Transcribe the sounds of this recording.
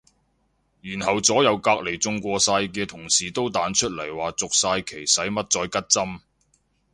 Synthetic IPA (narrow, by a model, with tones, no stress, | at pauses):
jyː˨˩nhɐ˨wt͡sɔː˨˥jɐ˨˧wkaː˧k̚le˨˩jt͡sʊ˧ŋkʷɔː˧saː˧jkɛː˧t̪ʰʊ˨˩ŋsiː˨˩t̪o˥wt̪aː˨˥nt͡ʃʰɵ˥t̚lɐ˨˩jwaː˨t͡sʊ˨k̚saː˧jkʰe˨˩jsɐ˨˥jmɐ˥t̚t͡sɔː˧jkɐ˥t̚t͡sɐ˥m